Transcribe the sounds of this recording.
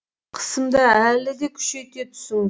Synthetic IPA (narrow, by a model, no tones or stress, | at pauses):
qʰə̥səmd̪ɑælɪd̪e̞kʲʰʏ̥ʃe̞t̪e̞t̪ʰʊ̥səlˠ